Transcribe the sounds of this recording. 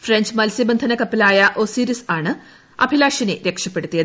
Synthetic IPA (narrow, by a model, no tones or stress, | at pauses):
freɲd͡ʑmɐlsjɐbɐnd̪ʱɐnɐkɐpːilaːjɐʔoːsiːɾisaːɳɨ | ɐ̰bʱilaːʂineɾe̞kʂɐpːe̞ɽut̪ːijɐ